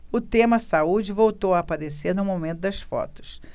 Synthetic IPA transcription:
ʊt̪ẽmɐsaud͡ʒɪvowt̪owɐːpaɾeseɾnʊmomẽnt̪ʊd̪ɐsfɔ̰t̪ʊ̥s

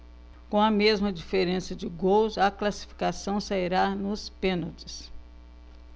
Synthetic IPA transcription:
kõɐmezmɐd͡ʒifeɾẽsɐd͡ʒɪɡowzɐklasi̥fi̥kasɐ̃w̃saiɾanʊspẽnot͡ʃɪ̥s

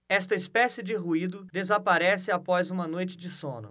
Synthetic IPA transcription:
ɛst̪ɐispɛsɪd͡ʒɪɦuid̪ʊd̪ezapaɾɛsɪapɔzũmɐnojt͡ʃɪd͡ʒɪsõ̰nʊ̰

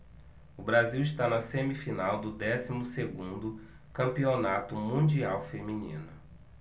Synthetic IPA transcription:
ʊbɾaziwiʃt̪anɐsẽmifinawd̪ʊd̪ɛsimʊseɡũnd̪ʊ | kɐ̃mpionat̪ʊmũd͡ʒiawfemĩnḭ̃nʊ

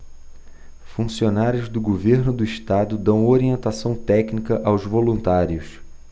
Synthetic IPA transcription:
fũsionaɾjʊzd̪ʊɡoveɾnʊd̪ʊiʃt̪ad̪ʊd̪ɐ̃w̃oɾiẽnt̪asɐ̃w̃t̪ɛknikɐʔawzvolũnt̪aɾjʊs

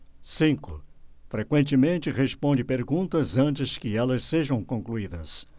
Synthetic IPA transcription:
sĩŋkʊfɾekwẽnt͡ʃɪmẽnt͡ʃɪʁespõnd͡ʒɪpeɾɡũnt̪ɐzɐ̃nt͡ʃɪskɪɛlɐsseʒɐ̃w̃kõkluid̪ɐs

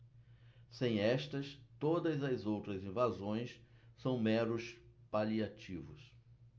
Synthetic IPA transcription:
sẽj̃ɛst̪ɐst̪od̪ɐzɐzowt̪ɾɐzĩvazõj̃ssɐ̃w̃mɛɾʊspaliat͡ʃivʊs

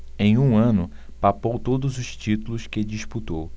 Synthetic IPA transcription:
ẽj̃ũɐ̃nʊ | papowt̪od̪ʊzʊʃt͡ʃit̪ulʊskɪd͡ʒiʃput̪ow

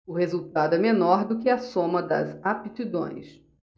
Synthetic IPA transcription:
ʊhezuwt̪ad̪ʊɛmenɔɾd̪ʊkɪɐsõmɐd̪ɐ̰zapit̪id̪õ̰j̃s

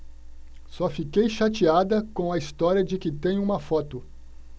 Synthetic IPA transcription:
sɔfikejʃat͡ʃiad̪ɐkõɐist̪ɔɾiɐd͡ʒɪkɪt̪ẽj̃ʊũmɐfɔt̪ʊ

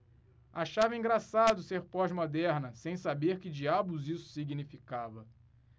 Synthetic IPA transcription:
aʃavɐĩŋɡɾasad̪ʊseɾpɔʒmod̪ɛɾnɐsẽj̃sabeɾkɪd͡ʒiabʊzisʊ̥siɡinifikavɐ

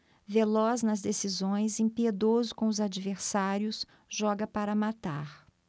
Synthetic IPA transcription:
velɔznɐzd̪esizõj̃zẽpied̪ozʊkõʊzad͡ʒiveɾsaɾjʊs | ʒ̥ɔɡɐpaɾɐmat̪aɾ

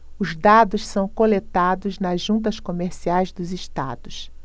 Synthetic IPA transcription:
ʊzd̪ad̪ʊssɐ̃w̃kolet̪ad̪ʊznɐzʒũnt̪̬ɐskomeɾsiajzd̪ʊziʃt̪a̰d̪ʊs

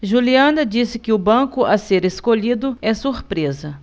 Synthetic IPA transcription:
ʒuliɐ̃nɐd͡ʒisɪkɪʊbɐ̃kʊɐseɾeskoʎid̪ʊɛsuɾpɾezɐ

